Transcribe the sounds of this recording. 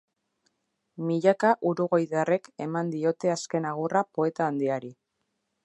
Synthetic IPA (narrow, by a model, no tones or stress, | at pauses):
miʎakaʔuɾuɣo̞jðare̞ke̞mand̪io̞t̪e̞aske̞naɣ̞urapo̞e̞t̪aːnd̪iaɾi